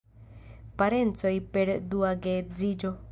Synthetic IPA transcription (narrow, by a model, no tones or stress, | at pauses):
paɾent͡sojpeɾd̪uaɡed͡zid͡ʒo